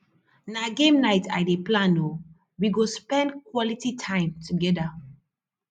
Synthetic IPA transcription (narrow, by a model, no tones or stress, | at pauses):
naɡẽmnaɪta̰ɪdeplãno | wiɡospɛ̃ndkʰwɔlititʰãɪ̃mtʰuɡɛda